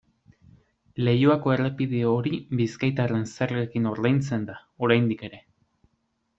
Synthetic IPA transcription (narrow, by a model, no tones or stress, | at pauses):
le̞juako̞e̞re̞piðeo̞ɾibiskajt̪are̞nseriekino̞ɾðajnt͡se̞nd̪ao̞ɾajnd̪ike̞ɾe̞